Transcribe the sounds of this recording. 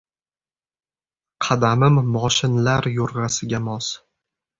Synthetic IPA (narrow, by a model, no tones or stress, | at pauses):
qʰɑd̪amɪmːɒʃɪnlaɾjoɾʁɑsɪɡʲamɒs